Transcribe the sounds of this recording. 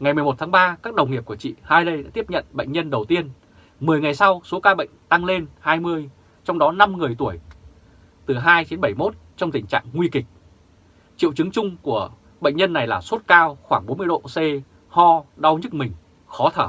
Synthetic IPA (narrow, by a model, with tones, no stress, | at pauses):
ŋa˨˩jmɨ˨˩əjmo˨˩t̪̚ʰaː˨˦ŋɓaː˧kaː˦˥k̚ɗə˨˩wŋ͡mŋi˨˩əp̚ku˧˩ət͡ɕḭ˧˨haː˧jɗə˧jɗa̰ː˧˥t̪i˦˥p̚ɲə̰˧˨nɓə̰˧˨jŋ̟ɲə˧nɗə˨˩wt̪i˧ən | mɨ˨˩əjŋa˨˩jsa˧wso˨˦kaː˧ɓə̰˧˨jŋ̟t̪a˧ŋle˧nhaː˧jmɨ˧əj | t͡ɕɔ˧wŋ͡mɗɔ˨˦na˧mŋɨ˨˩əjt̪u˧˩əj | t̪ɨ˨˩ɦaː˧jt͡ɕi˨˦ənɓə˧˩jmo˦˥t̚t͡ɕɔ˧wŋ͡mt̪ï˧˩ŋ̟t͡ɕa̰ː˧˨ŋŋwi˧kï˨˩k̚ | t͡ɕḭ˧˨wt͡ɕɨ˨˦ŋt͡ɕʊ˧ŋ͡mku˧˩ə | ɓə̰˧˨ŋ̟ɲə˧nːa˨˩jlaː˨˩so˦˥t̚kaː˧wxwaː˧˩ŋɓo˨˦nmɨ˧əjɗo̰˧˨se˧ | hɔ˧ɗa˨˧wɲɨ˦˥k̚mï˨˩ŋ̟ | xɔ˨˦t̪ʰəː˧˩